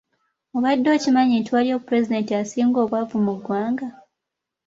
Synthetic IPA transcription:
oβadːo̞ːcimaɲintiwaljokupɾe̞zide̞ntiasiːŋɡo̞ːβwavumuɡwaːŋɡa

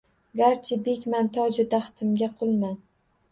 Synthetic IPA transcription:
ɡaɾt͡ʃʰɪbekʲmant̪ʰɒd͡ʒʊd̪aχt̪ʰɪmɡʲaqʰʊlˠman

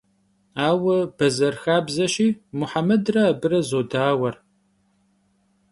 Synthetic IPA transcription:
aːwɐb̥ɐzɐrxaːbzɐɕiːmʊħamɐdrɐːbɨɾɐzoːdaːwɐr

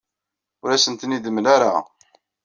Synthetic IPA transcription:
ʊɾæsənt̪nid̪əmːlaɾa̰

